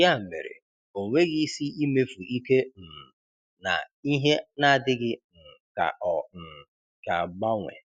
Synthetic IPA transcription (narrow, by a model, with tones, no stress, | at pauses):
a˦˨mḛ˨ɾḛ˨ | o˨ŋʷe˦ɣi˦si˦i˦me˦fu˨i˦ke˦m̩˨ | na̰˨ | i˦ɦe˦na˦a˨dɪ˦ɡɪ˦n̩˨ | ka̰˨ʔɔ˨n̩˨ | ka̰˨ɡ͡ba˦ŋʷḛ˨